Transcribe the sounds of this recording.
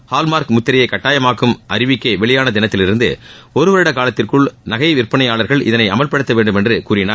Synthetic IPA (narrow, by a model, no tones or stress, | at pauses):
haːlmaːɾkmʊt̪ːɪɾɐjɐɪkɐʈːaːjɐmaːkːɯmʔɐɾɪʋɪkːɐːʋɛɭɪjaːnɐd̪ɪnɐt̪ːɪlɪɾɯnd̪ɯ̰ | ɔɾɯʋɐɾɪɽɐkaːlɐt̪ːɪrkɯɭnɐɣɐɪʋɪɾpɐɳɐɪaːɭɐɾɣɐɭʔɪ̰ðɐnɐɪɐmɐlpɐɽɯt̪ːɐʋeːɳɖɯmɛndrɯkuːɾɪnaː